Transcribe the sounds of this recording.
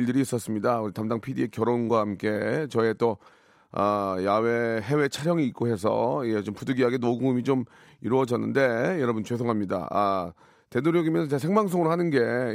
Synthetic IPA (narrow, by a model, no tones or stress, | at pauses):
ɭdɯɾiːs͈ʌs͈ɯmɲidauɾitamdaŋpʰidiekjʌɾonɡwahamk͈e̞t͡ɕʌet͈o | ajawe̞ɦewe̞t͡ɕʰaɾjʌŋiːk̚k͈oɦe̞s̬ʰʌ̰id͡ʑet͡ɕompuduɡiaɡenoɡuŋɯmit͡ɕom | iɾuʌd͡ʑʌnːɯnde̞jʌɾʌbunt͡ɕwesʰoŋɦamɲida̰a̰ | te̞doɾjoɡimjʌnsʰʌt͡ɕes̬ʰe̞ŋmaŋs̬͈ʰoŋɯɾohanɯnɡe̞